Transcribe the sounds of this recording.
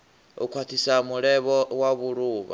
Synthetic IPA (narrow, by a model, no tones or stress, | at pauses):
ṵkʰwat̪ʰisamuɺɛβɔwaβuɺuːβa̰